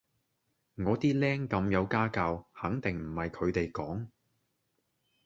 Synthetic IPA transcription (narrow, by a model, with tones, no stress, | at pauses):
ŋɔː˨˧t̪iː˥lɛː˥ŋkɐ˧mjɐ˨˧wkaː˥kaː˧whɐ˨˥ŋt̪ɪ˨˩ŋm̩˨˩hɐ˨jkʰɵ˨˧ɥt̪e˨jkɔː˨˥ŋ